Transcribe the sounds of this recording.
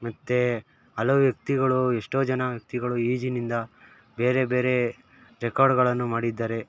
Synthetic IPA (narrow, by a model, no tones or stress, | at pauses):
mɐt̪ːe̞ | ɐloʋjɐk̚t̪iɡɐɭueʂʈo̞ːd͡ʒɐnɐʋjɐk̚t̪iɡɐɭuiːd͡ʒinind̪ɐ | be̞ːɾe̞be̞ːɾe̞ | ɾekaːɾɖɡɐɭɐnːumaːɽid̪ːaːɾe̞